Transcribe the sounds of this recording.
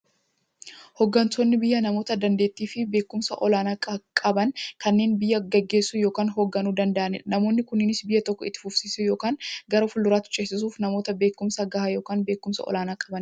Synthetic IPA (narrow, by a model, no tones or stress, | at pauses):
hɔɡːɐnt̪ʰonːɪbɪjːɐnɐmoːt̪ɐd̪ɐnd̪e̞ːt̪ːiːfɪbe̞ːkːʊmsɐ̰ʔɔlaːnaːkkʼɐbɐnkɐnːe̞ːnbɪjːɐɡɐɡːe̞ːsːʊjo̞ːkaːnɦoːɡːɐnuːd̪ɐnd̪ɐʔɐnɪ̰ᶑɐnɐmo̞ːnːɪkʊnːɪnɪsbɪjːɐt̪ɔkːɔɪ̰t̪ːɪ̥fʊfsiːsʊjo̞ːkaːnɡɐɾofʊlːʊɾaːt̪ʊ̥t͡ʃʼeːsːɪs̬uːfnɐmo̞ːt̪ɐbeːkːʊmsɐɡɐhajo̞ːkaːnbe̞ːkːʊmsɐ̰ʔɔ̰laːnaːkʼɐbɐn